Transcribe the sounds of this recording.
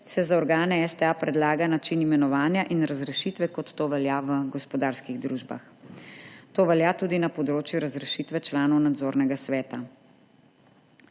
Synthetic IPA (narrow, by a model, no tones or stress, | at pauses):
sɛzaɔɾɡaːnɛɛst̪ɛapɾɛd̪laːɡanat͡ʃinimɛnɔʋaːnjaʔinɾazɾɛʃit̪ʋɛkɔt̪ːoːʋɛljaʋəɡɔspɔd̪aːɾskiɣd̪ɾuːʒba̰x | t̪oːʋɛljat̪uːd̪inapɔd̪ɾoːt͡ʃjuɾazɾɛʃit̪ʋɛt͡ʃlaːnɔwnad̪zoːɾnɛɡasʋɛːt̪a